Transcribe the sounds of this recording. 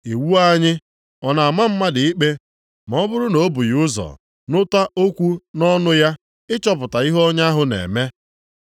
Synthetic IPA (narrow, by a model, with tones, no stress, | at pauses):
e˨wu˦a˦ɲɪ˦ | ɔ˨na˨a˨ma˦m̩˦ma˦dɪ˨ɪ˦k͡pe˦ | m˨ɔ˦bʊ˦ɾʊ˦no˨˦bʊ˨jʊ˦zɔ̰˨ | nʊ˦ta˦ʔo˦kʷu˦nɔ˦nʊ˦ja˦ | ɪ˦t͡ʃɔ˦p̬ʊ˨ta˨i˦ɦɔ˦ɲa˦ɦʊ˨nḛ˨me˦